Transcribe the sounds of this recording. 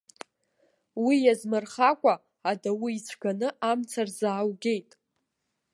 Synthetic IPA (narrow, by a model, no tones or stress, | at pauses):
wijazmɨrχakʷʼa | adawiːt͡sʷʰɡanɨʔamt͡sʰarzaːwɡʲe̞jtʼ